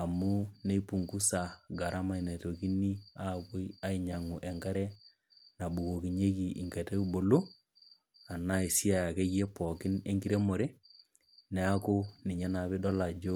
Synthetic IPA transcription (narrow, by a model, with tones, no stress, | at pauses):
a˨mu˦ne˦i˦pu˨ŋku˦sa˨ɡa˨ɾa˦ma˦i˨ne˨to˨ki˦ni˦a˦˨ko˦i˦a˦i˨ɲa˨ŋu˨ʔɛ˨ŋɡa˦ɾɛ˦ | na˨bu˨ko˨ki˨ɲe˦ki˨ʔḭ˨ŋɡe˨te˦u˦bo˨lo˦ | a˨na˦i˨si˦a˨ja˨ke˦ɡe˦pɔ˨kɪ˦ne˦ŋɡi˦ɾe˦mo˨ɾe˦ | nɛ˨a˦ko˦nɪ˨ɲɛ˦na˨be˦dɔ˦la˨d͡ʒo˦